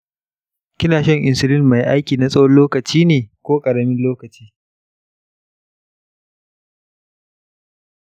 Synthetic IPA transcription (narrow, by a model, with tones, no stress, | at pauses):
kʲɪ˦naː˨ʃɐ˦ŋʔɪ˨nsɪ˦lɪ˦nma˨jʔa˦jkʲiː˨na˦sʼɐ˦wɐ˦nloː˦kɐ˨t͡ʃiː˦neː˨kʷoː˦kʼɐ˨ɽɐ˨mɪ˦nloː˦kɐ˨t͡ʃiː˦